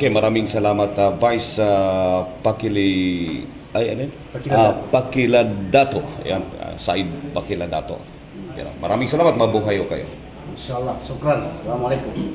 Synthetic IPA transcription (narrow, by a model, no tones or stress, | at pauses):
ʔokemɐɾaːmɪŋsɐlaːmɐt̪avajsapɐkili | ajɐnn | apɐkɪlad̪at̪oja̰na̰sa̰ɪd̪̚pɐkilad̪a̰ːt̪o̰ | ja̰nomɐ̰ɾaːmɪŋsɐlaːmɐt̪̚mɐbuɦɐjokɐ̰jo̰ | miʃaɐlːɑhsukɾansɐlamɐlekum